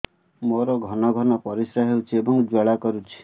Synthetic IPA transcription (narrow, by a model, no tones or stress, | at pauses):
moɾɔɡʱɔnɔɡʱɔnɔpɔɾisɾaɦewt͡ʃʰiebɔŋd͡ʒaɭakɔɾut͡ʃʰi̥